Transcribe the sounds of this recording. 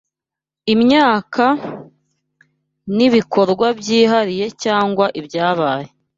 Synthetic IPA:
imɲaːkʰa | niβikʰo̞ɾɡwabɟiːɦaɾije̞caːŋɡwaʔibjaːβaːje̞

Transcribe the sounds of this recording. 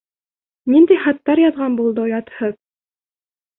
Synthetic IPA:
nind̪æjχɑt̪ːɑɾjɑðʁɑnbulˠd̪ɤjɑt̪hɤð

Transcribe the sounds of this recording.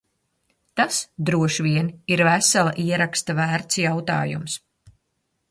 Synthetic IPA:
t̪asd̪ɾuɔʃvʲiɛniɾvæsalˠaʔiɛɾakst̪avæːɾt̪sjawt̪a̰ːjṵms

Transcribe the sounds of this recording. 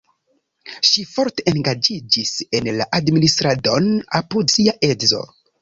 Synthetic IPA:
ʃifo̞ɾte̞ʔenɡad͡ʒid͡ʒise̞nlaʔadministɾado̞napudsiaʔe̞zo̞̰

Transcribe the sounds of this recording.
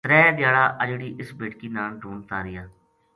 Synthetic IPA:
t̪ɾɛːd̪jaːɽaːʔəd͡ʒɽiːʔɪsbeːʈkiːnaːlɖuːnt̪aːɾɪjaː

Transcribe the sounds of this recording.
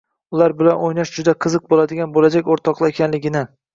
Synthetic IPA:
ʊlaɾbɪlanojnaʃd͡ʒʊd̪aqʰɨzɨq̚bolad̪ɪɡʲanbolad͡ʒakʲoɾt̪ʰɒqlˠɪekʲʰanlɪɡʲɪnɪ

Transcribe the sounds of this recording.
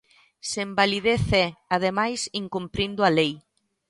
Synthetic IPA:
sembaliðeθɛaðemajsiŋkumpɾind̪ʊalej

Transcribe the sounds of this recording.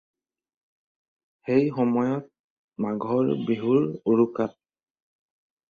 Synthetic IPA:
xejxɔmɔjɔt̚ | maɡʱɔɹbiɦuɹuɹukat̚

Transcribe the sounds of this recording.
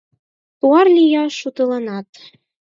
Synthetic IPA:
puɑrlʲijɑʃut̪ɤ̆lɑnɑt̪

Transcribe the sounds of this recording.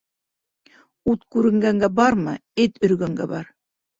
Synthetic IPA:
ut̪kʉɾɘ̆ŋɡæŋɡæbɑɾmɤɘt̪ɵ̆ɾɡæŋɡæ̰bɑɾ

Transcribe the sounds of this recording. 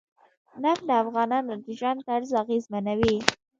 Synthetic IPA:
naflaafɣɑnɑnod̪əʒwant̪aɽzɑɣezmanawi

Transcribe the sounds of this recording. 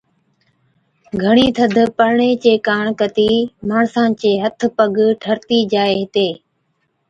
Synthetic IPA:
ɡʱəɳiːt̪ʰəd̪ʱpəɾɳeːt͡ʃeːkaːɳkət̪iːmaːɳsãːt͡ʃeːɦət̪ʰpəɡʈʰəɾt̪iːd͡ʒaːeːɦɪt̪eː

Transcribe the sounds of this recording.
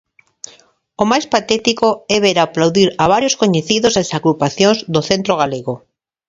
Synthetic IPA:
omajspat̪ɛt̪ikoɛβeɾaplawðiɾaβ̞aɾjoskoɲeθiðozasaɣɾupaθjõŋzd̪oθent̪ɾoɣ̞aleɣo

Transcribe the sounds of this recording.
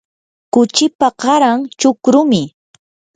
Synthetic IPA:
kʊt͡ʃɪpaɢɑɾaŋt͡ʃʊkɾʊmɪ

